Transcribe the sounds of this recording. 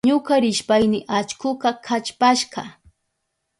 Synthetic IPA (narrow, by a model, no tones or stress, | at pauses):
ɲʊkaɾɪʃpajnɪʔat͡ʃkʊqɑkʰat͡ʃpaʃɢɑ